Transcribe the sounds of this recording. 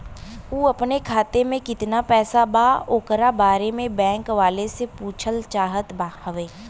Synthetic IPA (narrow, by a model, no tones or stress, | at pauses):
uːɐpnekʰaːt̪emẽkɪt̪napɛːsabaːoːkəɾabaːɾemẽbɛ̃ːŋkʋaːlesepuːt͡ʃʰəlt͡ʃaːɦət̪baːhəʋeː